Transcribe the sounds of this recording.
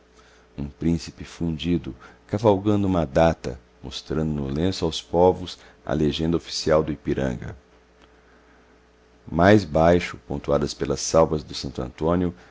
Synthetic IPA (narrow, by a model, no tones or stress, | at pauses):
ũpɾĩsi̥pɪfũd͡ʒid̪ʊkavawɡɐ̃nd̪ʊũmɐd̪at̪ɐ̰ | most̪ɾɐ̃nd̪ʊnʊlẽsʊawspɔvʊs | ɐ̰leʒẽnd̪ɐofi̥siawd̪ʊipiɾɐ̰̃ŋɡɐ̰ | majzbajʃʊpõnt̪uad̪ɐspelɐsawvɐzd̪ʊsɐ̃nt̪ɐ̰̃nt̪õnjʊ